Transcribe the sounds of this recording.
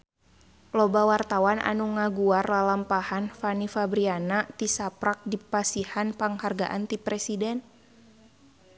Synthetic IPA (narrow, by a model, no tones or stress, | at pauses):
lɔbawart̪awanʔa̰nuŋaɡuarlalampahanfanifabɾianat̪isapɾak̚dipasihanpaŋharɡa̰ʔant̪ipɾɛsidɛn